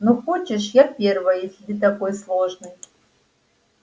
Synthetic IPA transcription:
noxot͡ʃɪʂjapʲervɐjjesʲɪd̪ɨt̪akojslˠoʐnɨj

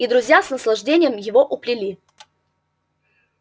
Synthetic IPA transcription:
id̪ɾʊzʲjasnəslˠɐʐdʲenʲɪjəmjɪvoʔʊplʲɪlʲi

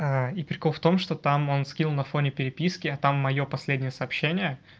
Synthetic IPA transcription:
aipɾʲɪkolˠft̪o̞mʂt̪o̞t̪amo̞nskʲilˠnɐfo̞nʲɪpʲɪɾʲɪpʲiskʲɪɐt̪amːɐjo̞pɐsʲlʲedʲnʲɪjəsɐːpɕːenʲɪjə

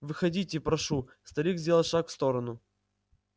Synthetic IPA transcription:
vɨxɐdʲitʲɪpɾɐʂust̪ɐɾʲiɡzʲdʲelˠɐʂakfst̪o̞ɾənʊ

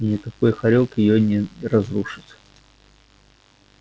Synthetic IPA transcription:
nʲɪkɐkojxɐɾʲot̪jɪjonʲɪrɐzruʂɨ̥t̪

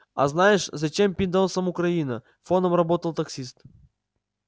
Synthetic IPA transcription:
ɐ̰znajɪʂzɐt͡ɕe̞mpʲɪnd̪olˠsəmʊkɾɐinə | fonəmrɐbot̪əlˠt̪ɐksʲist̪

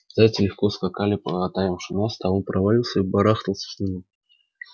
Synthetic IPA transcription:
zatʲɪlʲɪfkoskakalʲɪpɐt̪ajamʂɨnast̪aonpɾɐvɐlʲilˠsʲəibɐɾaxt̪əlˠsʲə̥sʲnʲimʲɪ

